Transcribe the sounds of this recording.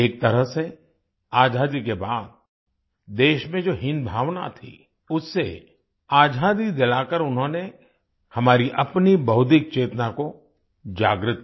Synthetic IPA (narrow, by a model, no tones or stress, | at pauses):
eːk̚t̪ɐɾəɦse | aːd͡ʒʱaːd̪ikebaːd̪̚ | d̪eːʃmẽd͡ʒoːɦɪ̃nd̪bʱaːʋna̰t̪ʰḭ | ʊsːḛ | aːd͡ʒʱaːd̪id̪ɪlaːkəɾʊnɦõːne | hɐmaːɾiʔɐpnibɐɦʊd̪ɪk̚t͡ʃeːt̪nako | d͡ʒa̰ːɡɾɪt̪̚